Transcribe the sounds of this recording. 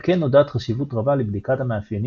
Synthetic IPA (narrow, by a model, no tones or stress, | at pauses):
kenːodatχaʃivutʁabalebdikathamaːfjeni